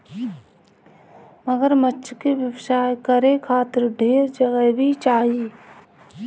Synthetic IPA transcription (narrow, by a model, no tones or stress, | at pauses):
məɡəɾmətːʃʰkeʋjəʋsaːjkəɾekʰaːt̪ɪɾɖʱeːɾd͡ʒəɡəɦbʱit͡ʃaːɦiː